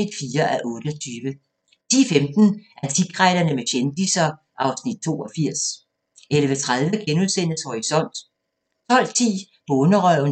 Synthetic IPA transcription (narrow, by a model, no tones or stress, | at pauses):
id̥fiːɐʔæʔɔ̽ːɾ̥əɒt͡sʰyːʋə | t͡sʰḭːfemd̥n̩ʔæɐt͡sʰiɡ̥ʁaɪlɐnəmeɕend̥isɐ | ʔɑ̈ʊsnid̥̚t͡sʰo̝ːɒfiɐ̰s | elʋət͡sʰʁaðˠʋəɡ̥enuðˠsen̰əshɒʁisɒ̽n̰d̥ | t͡sʰɒ̽l̰t͡sʰḭː | b̥ɔːnɐʁœʊ̰n